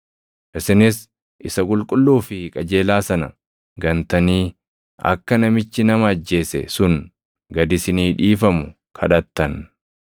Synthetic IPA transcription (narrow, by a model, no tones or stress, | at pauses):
ʔɪsɪnɪs | ʔɪsɐkʼʊlkʼʊlːuːfɪkʼɐd͡ʒe̞ːlaːsɐnɐ̰ | ɡɐnt̪ɐniː | ʔɐ̰kːɐnɐmɪt͡ʃːɪnɐmɐːd͡ʒːe̞ːsɛ̰sʊn | ɡɐd̪ɪsɪniːᶑiːfɐmʊ | kʰɐ̰ᶑɐt̪ːɐn